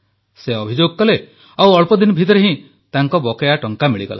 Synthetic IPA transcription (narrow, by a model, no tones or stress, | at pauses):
seɔbʱid͡ʒoɡkɔle | awɔɭpɔd̪inɔbʱit̪ɔɾeɦĩ | t̪aŋkɔbɔkɔjaʈɔŋkamiɭiɡɔ̰la̰